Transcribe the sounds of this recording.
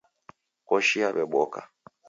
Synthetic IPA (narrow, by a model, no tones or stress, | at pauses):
kɔʃiaɓɛɓɔka̰